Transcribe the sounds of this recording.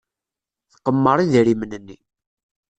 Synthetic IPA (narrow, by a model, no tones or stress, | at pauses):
θqəmːəɾˤiðɾimənənːi